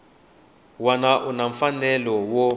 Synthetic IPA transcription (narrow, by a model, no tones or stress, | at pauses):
wanaʔunaɱ̩fanɛlɔwɔ